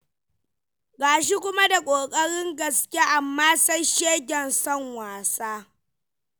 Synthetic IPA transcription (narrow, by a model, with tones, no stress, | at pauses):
ɡaː˨ʃ̬i˦kʷʊ˦ma˦da˨kʷʼoː˨kʼɐ˦ɽɪ˦ŋɡɐ˨skʲe˦ʔa˨mːaː˦sa˦jʃeː˦ɡʲɛ˨nsɔ˦˨ŋwaː˨saː˦